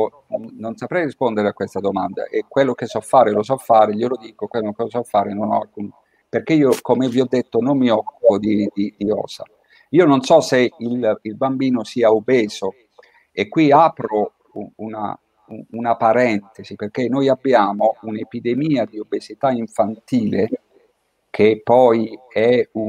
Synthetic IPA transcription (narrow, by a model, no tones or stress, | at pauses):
nonnonsapɾɛjrispond̪eɾeakːwest̪ad̪omand̪a̰ʔekwelːokesːɔfːaːɾelosɔfːaːɾeʎelod̪iːkokwelːokelosɔfːaːɾenonɔalkun | perk̟eiːokomeviɔd̪ːet̪ːonomːiɔkːupod̪id̪id̪iɔ̰ːsa̰ | iːononsɔseililbambiːnosiːaobeːz̥o | ekːwiapɾo | uuna̰ | uunapaɾɛnt̪esiperk̟enːojabːjaːmounepid̪emiːad̪iobːezit̪aiɱfant̪iːle | kʰepːɔjɛu